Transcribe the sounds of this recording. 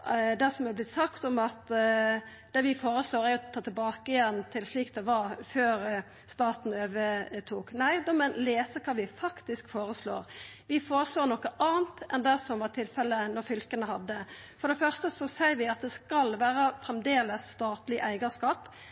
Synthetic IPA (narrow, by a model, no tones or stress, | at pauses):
d̪ɛsɔmɛblɪt̪sɑkt̪ɔmɑt̪ | d̪̥ɛʋɪfoːɾəsloːɾæɾjʊt̪ʰɑːt̪ɪlbɑːkəɪjɛnt̪ʰɪlsliːkd̪ɛʋɑɾføːɾ | st̪ɑːt̪n̩øːʋət̪ʰuːknæɪd̪oːmɛleːsəkʰɑːʋɪfɑkt̪ɪskfoːɾəslo̰ːɾ | ʋɪfoːɾəsloːnɔkːəʔɑːnt̪ʔɛnd̪æsɔmʋɑɾt̪ʰɪlfɛlːənɔɾfʏlkənəhɑd̪ːə | fɔɾɖ̪ɛfœɾst̪əsɔsæɪɾʋɪɑt̪̚d̪ɛskɑlʋæːɾəfɾɛmd̪eːləsːt̪ɑːt̪lɪʔæɪɡəskɑːp